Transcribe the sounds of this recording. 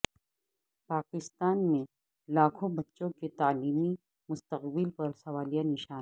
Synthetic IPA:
paːkɪst̪aːnmẽ | laːkʰõbɐtːʃõket̪aːliːmi | mʊst̪əqbɪlpɐɾsɐʋaːlijanɪʃaː

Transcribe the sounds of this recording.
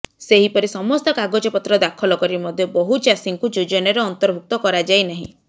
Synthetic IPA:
seɦipɔɾisɔmɔst̪ɔkaɡod͡ʒɔpɔt̪ɾɔd̪akʰɔlɔkɔɾimɔd̪ʱjɔbɔɦut͡ʃasiŋkud͡ʒud͡ʒɔneɾeɔnt̪ɔɾbʱuk̚t̪ɔkɔɾad͡ʒajnaɦḭ̃

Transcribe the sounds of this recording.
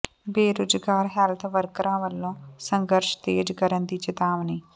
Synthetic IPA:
beːɾʊd͡ʒɡaːɾɦɛːlt̪ʰʋəɾkɾãːʋəlːõːsəŋɡəɾʃt̪eːd͡ʒkəɾənd̪iːt͡ʃɪt̪aːʋniː

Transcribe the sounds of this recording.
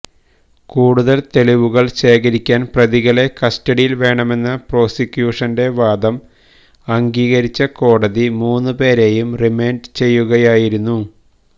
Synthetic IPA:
kuːɽuðɐlt̪e̞liʋuɣɐɭɕe̞ːkɐɾikʲːaːnprɐðiɣɐle̞kɐstɐɽijilʋe̞ːɳɐme̞nːɐpro̞ːsikʲːjuːʂɐnde̞ʋaːd̪ɐm | ɐŋɡiːɣɐɾit͡ɕːɐko̞ːɽɐðimuːnːɨpe̞ːɾe̞jumrime̞ːnɖt͡ɕe̞jːuɣɐjaːjiɾunːu

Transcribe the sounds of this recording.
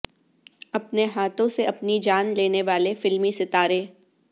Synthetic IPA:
ɐpneɦaːt̪õseɐpnid͡ʒaːnleːneʋaːlefɪlmisɪt̪aːɾeː

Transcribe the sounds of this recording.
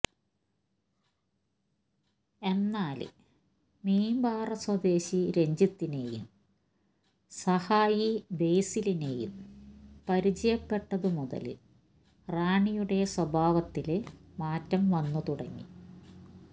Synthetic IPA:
e̞nːaːlɨ̰ | miːmbaːrɐswɐd̪e̞ːɕiɾe̞ɲd͡ʑit̪ːine̞ːjṵm | sɐhaːjibe̞jsiline̞ːjṵmpɐɾit͡ɕɐjɐpːe̞ʈːɐðɨmuðɐ̰lɨ̰ | raːɳijuɽe̞swɐbʱaːʋɐt̪ːilmaːtːɐmʋɐnːut̪uɽɐŋːḭ

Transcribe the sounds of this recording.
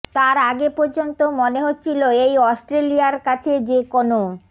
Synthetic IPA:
t̪aɾaɡepoɾd͡ʑont̪omoneɦotːt͡ɕʰiloejɔsʈɾeliaɾkat͡ɕʰed͡ʑekono

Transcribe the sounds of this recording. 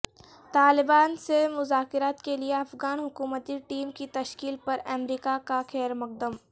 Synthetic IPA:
t̪aːlɪbaːnsemʊzaːkɪɾaːt̪kelieɐfɣaːnɦʊkuːmət̪iʈiːmkit̪ɐʃkiːlpɐɾɛmɾiːkakaxɛːɾmɐq̚d̪əm

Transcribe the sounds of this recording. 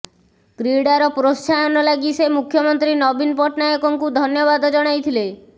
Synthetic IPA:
kɾiɽaɾɔpɾost͡ʃʰaɔnɔlaɡisemukʰjɔmɔnt̪ɾinɔbinpɔʈnajɔkɔŋkud̪ʱɔnjɔbad̪ɔd͡ʒɔɽ̃ajt̪ʰile

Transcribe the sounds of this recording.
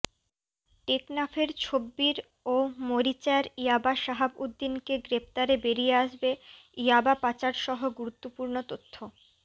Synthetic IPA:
ʈeknapʰeɾt͡ɕʰobːiɾ | omoɾit͡ɕaɾijabaʃaɦabud̪ːinkeɡɾept̪aɾebeɾijeaʃbe | ijabapat͡ɕaɾʃɔɦoɡuɾut̪ːopuɾnot̪ot̪ʰːo

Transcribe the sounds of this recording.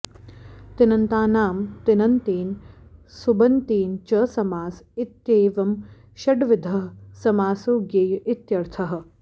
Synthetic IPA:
t̪ɪnɐnt̪aːnaːmt̪inɐnt̪iːnsubɐnt̪iːnt͡ʃɐsɐmaːsit̪jeːʋɐm | ʃɐɖʋɪd̪ʱɐɦsɐmaːsuːɡeːjʔɪt̪jɐɾt̪ʰɐɦɐ̆

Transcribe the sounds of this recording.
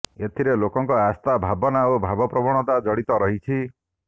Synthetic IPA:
et̪ʰiɾelokɔŋkɔast̪abʱabɔnaobʱabɔpɾɔbɔɽ̃ɔt̪ad͡ʒɔɽit̪ɔɾɔɦit͡ʃʰi

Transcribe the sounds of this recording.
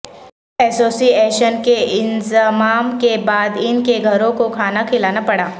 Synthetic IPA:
ɛːsoːsiɛːʃənkeɪnzəmaːmkebaːd̪ɪnkeɡʱɐɾõkokʰaːnakʰɪlaːnapɐɽaː

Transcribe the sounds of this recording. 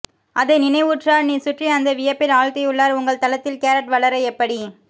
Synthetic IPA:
ʔɐðɐɪnɪnɐɪʋuːʈraːɾniːsʊʈriɐnd̪ɐʋɪjɐpːɪlaːɻkɐjʊɭːaːɾʊŋɡɐɭt̪ɐlɐt̪ːɪlkeːɾɐʈʋɐɭɐɾɐɛpːɐɽi

